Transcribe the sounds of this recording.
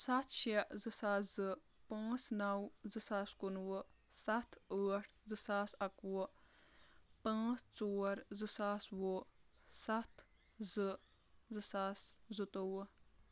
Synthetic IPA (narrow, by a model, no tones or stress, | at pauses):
sat̪ʰʃiʔzɨsaːzɨ | pãːt͡snawzɨsaːskunwɨsɐt̪ʰəːʈʰzɨsaːsɐkwɨ | pãːt͡st͡soːɾzɨsaːswo | sat̪ʰ | zɨ | zɨsaszɨt̪owɨ